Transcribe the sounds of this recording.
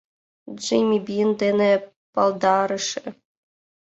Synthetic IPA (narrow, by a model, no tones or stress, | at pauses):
d͡ʒejmʲibʲind̪enʲĕ | pɑlˠd̪ɑɾɤ̆ʂɘ̆